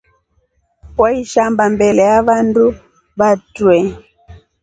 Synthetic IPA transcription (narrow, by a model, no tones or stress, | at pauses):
waiʃambambɛlɛjaβandu | βatwɛ